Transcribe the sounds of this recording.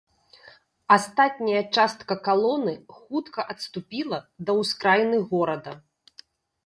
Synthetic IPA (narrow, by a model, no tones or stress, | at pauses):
ast̪at̪̚ʲnʲɐjɐt͡ʂast̪kɐkalˠɔnɨxut̪kɐʔɐt̪st̪upʲilˠɐd̪ɐwskɾajnɨɣɔɾɐd̪ɐ